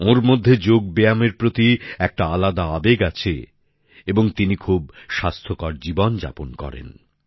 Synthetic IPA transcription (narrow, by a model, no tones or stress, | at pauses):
oɾmod̪ʱːed͡ʑoɡ̚bejameɾpɾot̪iɛk̚ʈaalad̪aabeɡat͡ɕʰḛ | eboŋt̪inikʰub̚ʃast̪ʰokaɾd͡ʑibond͡ʑa̰ponkɔ̰ɾḛn